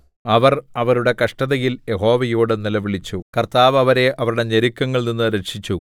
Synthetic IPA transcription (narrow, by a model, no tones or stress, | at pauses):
ɐʋɐrɐʋɐɾuɽe̞kɐʂʈɐðɐjiljeɦo̞ːʋɐjuːɽɨnilɐʋiɭit͡ɕːukɐrt̪aːʋɐʋɐɾe̞ʔɐʋɐɾuɽe̞ɲeɾikʲːɐŋːɐɭninːɨɾe̞kʂit͡ɕːu